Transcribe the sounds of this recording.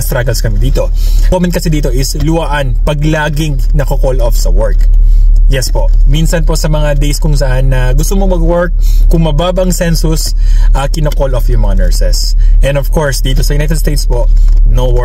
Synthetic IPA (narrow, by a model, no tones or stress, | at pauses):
st̪ɾaɡɐlskɐmɪd̪iːt̪o̞ | omɛn̚kɐsɛd̪iːt̪o̞ʔɪslʊwaʔɐnpɐɡlaːɡɪŋnɐkɐkolʔofsɐwɔɹkjɛspoʔminsɐnposɐmɐŋad̪ejskʊŋsɐʔanːɐɡʊst̪omomɐɡwɛɹk̚ːʊŋmɐbaːbɐŋsɛnsʊs | ʔɐkɪnokolʔofjʊŋmɐŋanɛɹsɛsʔɛ̃nd̪ɔvkoɹsd̪iːt̪osɐjʊnajt̪ɛd̪st̪ejt̪spoʔnowɛ